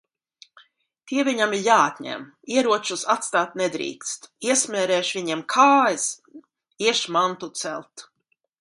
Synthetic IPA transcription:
t̪iɛvʲiɲamiɾjaːat̪ʲɲɛ̰m | iɛɾuɔt͡ʃusat̪st̪aːt̪nɛd̪ɾḭːkst̪iɛsmʲɛːɾɛːʃvʲiɲɛmkʰaːjs | iɛʃmant̪ut̪sɛlt̪

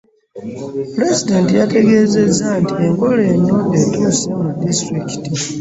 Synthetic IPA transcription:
pɾe̞zide̞ntijate̞ɡe̞ːze̞zːantiembo̞le̞nːodetuːsemudistɾiki̥ti

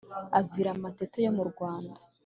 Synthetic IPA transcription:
aviɾamatetojo̞muɾɡwaːndḁ

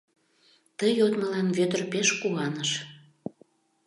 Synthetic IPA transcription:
t̪əjot̪məlɑnβøt̪ərpeʃkuɑnəʃ

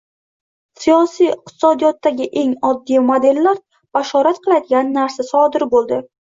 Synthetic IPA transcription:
sijɒsijɪq̚t̪ʰɪ̥sɒd̪ijɒt̪ːaɡʲɪʔe̞ŋɒd̪ːijmod̪e̞lːaɾ | b̥aʃɒɾat̪qʰɨlˠad̪ɪɡʲanːaɾsasɒd̪ɪɾbolˠd̪ɪ

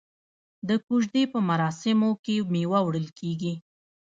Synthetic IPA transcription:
d̪əkuʒd̪epəmaɾɑsɪmokemewawɽəlkʰeɡi

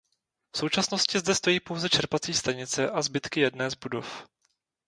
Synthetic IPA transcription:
fsowt͡ʃasno̞scɪzdɛst̪o̞jiːpo̞wzɛt͡ʃɛɾpat͡siːst̪aɲɪt͡sɛʔazbɪt̪kɪjɛdnɛːzbudo̞̰f

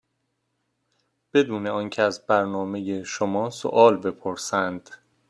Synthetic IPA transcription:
b̥e̞d̪uːneɒːncʲʰeæzbæɾnɒːme̞jeʃomɒːso̰ʔɒːlbe̞pʰoɾsænd̪̥

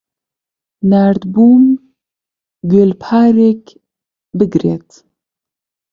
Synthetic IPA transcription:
næɾd̪buːm | ɡølpʰaːɾek | bɨɡɾet̪

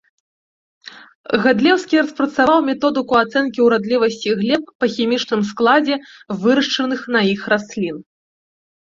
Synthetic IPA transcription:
ɣad̪lʲɛwskʲiɾɐspɾɐt̪saawmʲɛt̪ɔd̪ɨkuat̪sɛnkʲiwɾad̪lʲivɐsʲt͡sʲiɣlʲɛp̚pɐxʲimʲit͡ʂnɨmsklˠad͡zʲɛvɨɾɐʂt͡ʂɐnɨxn̪ɐixrasʲlʲin

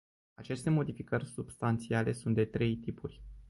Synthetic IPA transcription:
at͡ʃe̞st̪e̞mo̞d̪ifikərʲsubst̪ant̪siale̞sunt̪d̪e̞t̪ɾe̞jt̪ipurʲ

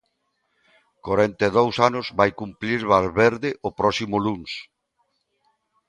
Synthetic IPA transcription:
koɾent̪eðowsanʊzβajkumpliɾβalβeɾðɪʔʊpɾɔsimʊluns

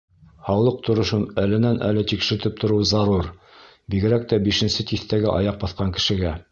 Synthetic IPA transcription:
hɑwlˠɤq̚t̪ŏɾŏʃɤnælɘ̆nænʔæ̰lɘt̪ikʃɘ̆ɾt̪ɘp̚t̪ŏɾɤwzɑɾuɾ | biɡɘ̆ɾæk̚t̪æbiʃɘ̆nsɘt̪iθt̪æɡɘʔɑ̰jɑq̚bɑθqɑŋkɘ̥̆ʃɘ̆ɡæ

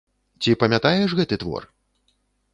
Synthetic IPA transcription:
t͡sʲipɐmʲat̪ajɛʂɣɛt̪ɨt̪vɔ̰r

